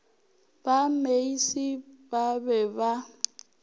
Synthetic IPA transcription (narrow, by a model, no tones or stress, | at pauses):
bameisibabɛba